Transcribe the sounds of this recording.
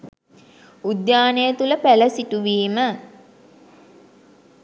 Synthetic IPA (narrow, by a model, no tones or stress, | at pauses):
ud̪jaːnejət̪uləpæləsiʈuʋiːmə